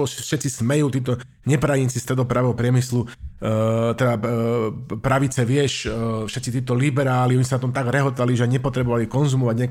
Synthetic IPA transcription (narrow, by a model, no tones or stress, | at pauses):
ɔʃɛt̪t͡sismɛjuːt̪iːt̪ɔ | ɲɛpɾajint͡sist̪ɾɛd̪ɔpɾaʋɛɦɔpɾɪɛmislu | t̪ɛd̪a | pɾaʋit͡sɛʋɪɛʃfʃɛt̪t͡sit̪iːt̪ɔlibɛɾaːliɔɲisanat̪ɔmt̪aɡɾɛɦɔt̪aliʒɛajɲɛpɔt̪ɾɛbɔʋalikɔnzumɔʋaɟɲɛk